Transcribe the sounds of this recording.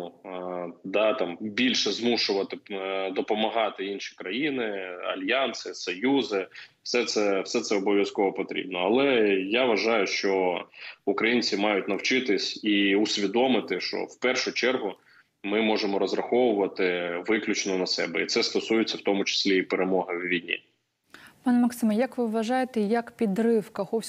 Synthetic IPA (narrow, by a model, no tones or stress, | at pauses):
u | d̪ɑt̪ɑmbʲilʲʃɛzmuʃʊʋɐt̪ɪd̪ɔpɔmɐɦɑt̪ɪinʃi̥kɾɐjinɪɐ̰lʲjɑnsɪsɔjuzɪfsɛt̪sɛwsɛt̪sɛɔbɔʋʲjɐskɔʋɔpɔt̪ɾʲḭb̚nɔɐlˠɛjaʋɐʒɑjʊʃt͡ʃɔ | ʊkɾɐjinʲt͡sʲimɑjʊtʲnɐwt͡ʃɪt̪ɪsʲiʊsʲʋʲid̪ɔmɪt̪ɪʃt͡ʃɔ̰wpɛrʃʊt͡ʃɛrɦʊ | mɪmɔʒemɔɾɔzrɐxɔʋʊʋɐt̪ɪʋɪklʲʊt͡ʃnɔnɐsɛbɛit̪sɛst̪ɔsujɪt͡sʲːɐwt̪ɔmʊt͡ʃɪ̥sʲlʲiːpeɾemɔɦɪwʋʲijnʲḭ | pɑnɛmɐksɪmɐjɐkʋɪʋʋɐʒɑjet̪ɛjɐkpʲid̪ɾɪwkɐxɔwʲ